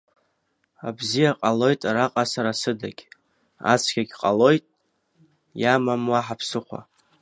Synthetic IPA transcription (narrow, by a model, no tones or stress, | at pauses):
a̰bzijaqʼalo̞jtʼaɾaqʼasaɾasɨdaɡʲ | a̰t͡sʰkʲʰaɡʲqʼalo̞jtʼ | jamamwaħapʰsɨχʷa̰